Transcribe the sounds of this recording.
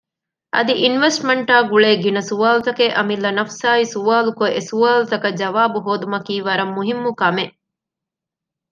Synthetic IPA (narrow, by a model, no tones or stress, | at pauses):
ʔɐd̪iʔinʋesʈmɐɳʈaːɡuɭeːɡinɐsuʋaːlut̪ɐkeʔɐmilːɐnɐfsaːisuʋaːlukoʔesuaːlut̪ɐkɐd͡ʒɐʋaːbuɦoːd̪umɐkiːʋɐɾɐmːuɦimːukɐme